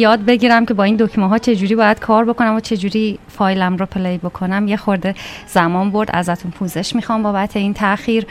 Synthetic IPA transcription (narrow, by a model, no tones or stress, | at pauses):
jɒːd̪̚be̞ɟiːɾæmcʰe̞bɒːiːnd̪ocʰmɒɦɒːt͡ʃʰe̞d͡ʒuːɾibɒːjæd̪̥̚kʰɒːɾbo̞ko̞næmot͡ʃʰe̞d͡ʒuːɾiːfɒːjlæmɾɔpʰe̞lɒibo̞kʰo̞næmjexoɾd̪e̞z̥æmɒːnbo̞ɾd̪ʔæ̰zæt̪ʰunpʰuːze̞ʃmixɒːmbɒːbæt̪ʰe̞iːnt̪ʰæʔxiːɾ